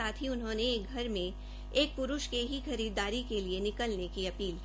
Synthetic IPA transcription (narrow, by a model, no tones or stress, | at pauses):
aːt̪ʰiʊnɦõːneeːk̚ɡʱɐɾmẽ | eːk̚pʊɾʊʃkeɦixɐɾiːd̪aːɾikelienɪkəlnekiɐpiːl